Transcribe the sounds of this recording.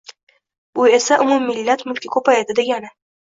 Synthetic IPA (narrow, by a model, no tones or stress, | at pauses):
ʊe̞saʔʊmumːɪlːat̪mʊlkʲʰɪkʰɵpajd̪ɪd̪eɡʲanɪ